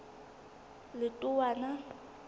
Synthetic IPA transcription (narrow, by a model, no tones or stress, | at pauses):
lɪtʼʊwana